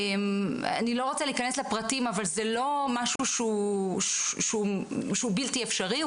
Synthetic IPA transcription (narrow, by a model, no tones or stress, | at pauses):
ema̰nilo̞ʁot͡saliikaneslepʁatimavalzelo̞maʃuʃuʃʃeuʃeubiltiefʃaʁi